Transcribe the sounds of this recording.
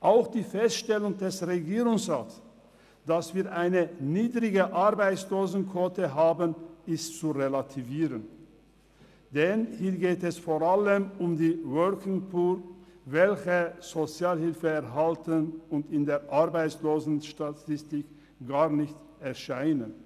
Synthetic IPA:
ʔaʊxd̥iːfɛstʃtɛlʊŋdɛsʁeɡiːʁʊŋsʁaːts | d̥asv̥iːɐʔaɪnəniːdʁɪɡəʔaʁbaɪt͡sloːzn̩kʰv̥otəɦaːbənɪstt͡suʁelatʰiviːʁən | d̥ɛnhiːɐɡeːtɛsfoʁaləmʊmdiːvœlkɪŋpʰuːlvɛlçəz̥ot͡sjaːlhɪlfəɛɐɦaltənʊntɪndeːɐʔaʁbaɪt͡sloːzn̩ʃtatʰɪstɪk | ɡ̥aːʁnɪçt | ɛɐʃaɪnən

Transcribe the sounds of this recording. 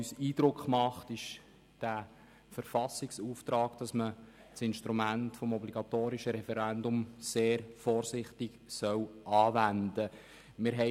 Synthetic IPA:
ysiːd̥ɾʊkχmɑχtɪʃ | d̥æː | fəɾfɑsɪksuːft̪ɾɑːkd̥ɑsmə | tt͡sɪnʃtɾumæntfɔmɔbliɡ̥ɑtoːɾiʃəɾɛfɛɾændʊmseːɾfɔːɾsɪχtɪksœwʔɑːvændə | mɪɾɦɛ

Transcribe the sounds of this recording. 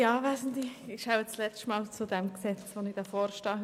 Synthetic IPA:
aːvæːsn̩tliɪxʃaʊət͡slɛt͡stmaːlt͡sudɛmksɛt͡svonɪ̥d̥ɑfɔːɾʃtɑː

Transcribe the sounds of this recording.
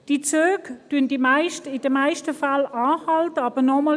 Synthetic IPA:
d̥it͡søːkd̥yənd̥imaɪʃtəɪd̥əmaɪʃtəfalaːhɑltəɑːb̥ənɔmɔ

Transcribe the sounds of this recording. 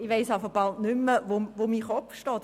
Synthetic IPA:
ɪʋeɪsɑfəχb̥ɑltnʏmːəʋoʋomiːχɔpfʃtɔːt

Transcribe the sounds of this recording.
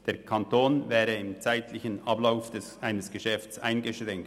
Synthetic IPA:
d̥eːɐkʰɑntoːnvɛːɾəɪmt͡saɪt̪ʰlɪçənʔɑblaʊfd̥ɛsʔaɪnəsɡ̥əʃɛftt͡sa̰ɪnɡəʃʁɛŋkt

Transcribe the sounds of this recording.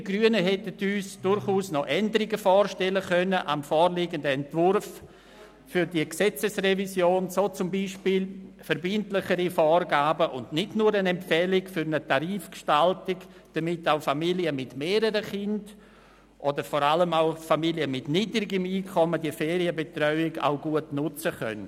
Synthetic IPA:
d̥iɡɾyənəɦɛtətyːsd̥ʊɾχuːsnɔʔɛndəɾɪɡəfɔːɾʃtɛləkœnəʔa̰mfɔːɾliːɡəndəɛntvʊrf | fʏɾdiəksɛt͡səsrɛvisjoːnsoːt͡sʊmbiːʃpiːlfəɾbɪntlɪχəɾifɔːrɡaːbəʔʊndnɪdnuːɾənɛmpfɛlɪkfʏɾnətʰaɾiːfkʃtaltɪɡd̥amɪtaʊfamiliəmɪtmeːɾəɾəχɪnd̥ | ʔɔdəɾfɔɾaləmaʊfamiljəmɪtnidɾɪɡəmiːkʰɔmədiəfɛːɾiəbetrœʏɪɡa̰ʊɡuətnʊt͡səχœ̰n

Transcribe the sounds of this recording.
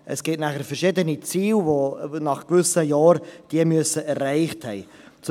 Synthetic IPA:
ʔɛsɡ̥ɪtnæχəɾfɛɾʃɪdənit͡siːlvonɑχkvʏsəjɑːɾd̥iəmyəsəʔɛɾːæɪχthɛɪ | t͡s

